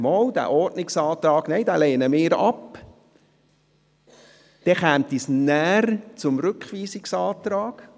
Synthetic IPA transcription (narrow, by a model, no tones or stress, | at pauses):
mɔːwd̥̪æ̰ːʔɔrtnɪksɑːt̪ɾɑːɡ̥nɛɪd̪æːleːnəmɪːɾɑp | d̥ɛχæːmt̪isnæːrt͡sʊmɾʏkχʋiːsɪksɑːt̪ɾɑːɡ̥